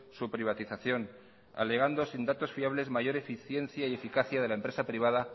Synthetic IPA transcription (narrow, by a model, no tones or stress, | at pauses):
supɾiβ̞at̪iθaθjo̞n | a̰le̞ɣ̞and̪o̞sind̪at̪o̞sfiaβ̞le̞zmaʝo̞ɾe̞fiθje̞n̟θjaie̞fikaθjað̞e̞laempɾe̞sapɾiβ̞að̞a